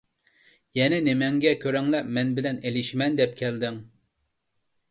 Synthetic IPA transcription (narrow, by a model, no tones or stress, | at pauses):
jɛnɪnɪmɛŋɡʲɛkʲʰøɾɛŋlɛmɛnbɪlɛnelɪʃmɛnd̪ɛp̚kʲʰɛld̪ɪŋ